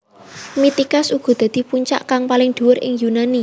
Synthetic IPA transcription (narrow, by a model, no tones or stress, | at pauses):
mit̪ikasuɡ̥ɔ̤d̪̥ä̤d̪̥i̤puɲt͡ʃa̰ʔkaŋpalɪŋd̪̥ṳʊɾɪ̰ŋjunani